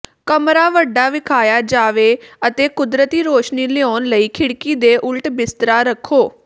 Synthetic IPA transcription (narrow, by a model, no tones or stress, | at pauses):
kəmɾaːʋəɖːaːʋɪkʰaːjaːd͡ʒaːʋeːət̪eːkʊd̪ɾət̪iːɾoːʃniːleɔːnləiːkʰɪɽkiːd̪eːʔʊlʈbɪst̪ɾaːɾəkʰːoː